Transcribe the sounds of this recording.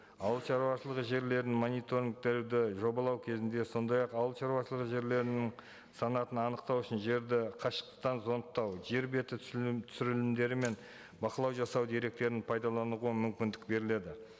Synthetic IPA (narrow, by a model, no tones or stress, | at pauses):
ɑwəlˠʃɑɾuwɑʃəlˠəʁəʒe̞ɾle̞ɾnɪmonijt̪o̞ɾʲiŋk̚t̪eɾd̪ɪʒo̞bɑlˠɑwkʲʰe̞zɪnd̪e̞so̞nd̪ɑjɑqɑwəlˠʃɑɾuɑʃəlˠəʁəʒe̞ɾle̞ɾɪnɪŋ | sɑnɑt̪ənɑnəqt̪ɑwʊʃɪnʒe̞ɾd̪ɪqʰɑʃə̥qt̪ə̥qt̪ːɑnzo̞nt̪ːɑwʒe̞ɾbe̞t̪ɪtt̪ʰʏsʏɾɪlɪmd̪e̞ɾɪme̞n | bɑqəlˠɑwʒɑsɑwd̪e̞ɾe̞k̚t̪e̞ɾɪnpʰɑjd̪ɑlˠɑnuʁuəmʏmkʲɪnd̪ɪk̚be̞ɾɪle̞d̪ɪ